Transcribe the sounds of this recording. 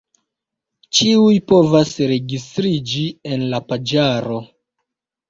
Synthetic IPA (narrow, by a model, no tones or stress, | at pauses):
t͡ʃiujpo̞vasɾe̞ɡistɾid͡ʒie̞nlapad͡ʒaɾo̞